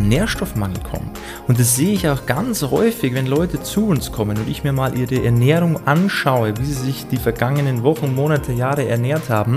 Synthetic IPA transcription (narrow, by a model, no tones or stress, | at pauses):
neːɐʃtɔfmaŋl̩kʰɔ̰mt | ʔʊnt̚d̥asz̥eːəɪçaʊxɡ̥anshɔ̰ʏfɪçvɛnlɔʏtət͡suːʊnskʰɔmənʊndɪçmiːɐmaːlʔiːʁəʔɛ̰ɐnɛːʁʊŋʔanʃaʊəviːziːzɪçd̥iːfɛɐɡaŋənənvɔχŋ̩moːnatʰəjaːʁəɛ̰ɐnɛːɐthaːbm̩